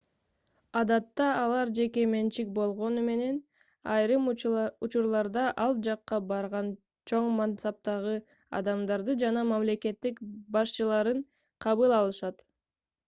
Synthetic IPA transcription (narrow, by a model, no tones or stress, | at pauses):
ɑd̪ɑt̪ːɑːlˠɑɾd͡ʒe̞ke̞me̞nt͡ʃik̚bo̞lˠʁo̞nume̞ne̞n | ɑjɾɯmut͡ʃuɾlˠɑɾd̪ɑʔɑlˠd͡ʒɑqːɑbɑɾʁɑn | t͡ʃʰo̞ɴmɑnsɑp̚t̪ɑʁɯ | ɑ̰d̪ɑmd̪ɑɾd̪ɯd͡ʒɑnɑmɑmle̞ke̞t̪ːikbɑʃt͡ʃɯlˠɑɾɯɴ | qʰɑβɯlˠɑlˠɯʃɑt̪